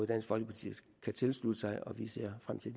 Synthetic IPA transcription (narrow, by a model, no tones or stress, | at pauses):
ð̩ˠd̥æn̰sɡ̥fɒ̽lɡ̥əpʰɑ̈t͡sʰḭ | kʰæt͡sʰe̝lslud̥əsɑ̈ɪʔɒ̽ʋise̝ɐ̰fʁam̰t͡sʰe̝l̥